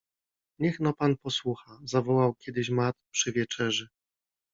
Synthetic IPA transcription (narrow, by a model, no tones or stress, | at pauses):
ɲɛxnɔpanpɔswuxazavɔwawkʲjɛd̪ɘɕmat̪̚pʂɘvʲjɛt͡ʂɛʐɛ